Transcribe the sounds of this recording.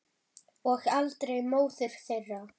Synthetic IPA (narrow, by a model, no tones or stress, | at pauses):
ɔɣalt̪ɾejmoːwθʏɾ̥kθerːa